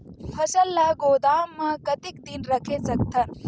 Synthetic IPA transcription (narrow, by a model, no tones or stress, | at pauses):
pʰɐʃɐlːɐɡoːd̪aːmːakɐt̪ik̚d̪inɾɐkʰesɐk̚t̪ʰɐn